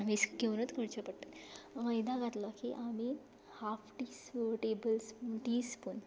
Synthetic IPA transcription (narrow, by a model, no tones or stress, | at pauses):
amisɡewnut̪koɽt͡ɕəpəɽt̪ət̪məjd̪ãɡʱat̪lɔkiʔami | hafʈiːsʈebəlsʈispun